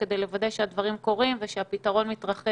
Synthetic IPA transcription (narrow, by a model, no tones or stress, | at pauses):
ked̪e̞jlevadeʃead̪vaʁimko̞ʁimveʃeapitaʁo̞nmit̪ʁɐχe